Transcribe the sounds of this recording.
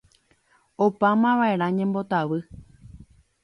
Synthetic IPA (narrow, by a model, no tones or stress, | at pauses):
opamãʋae̞ɾãɲẽ̞mbo̞t̪aʋɨ